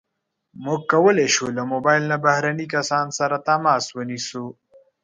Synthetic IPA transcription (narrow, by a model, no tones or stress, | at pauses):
muɡ̚kɐwəleʃulamobajlnabahɾanikɐsɑːnsaɾat̪amɑːswənisu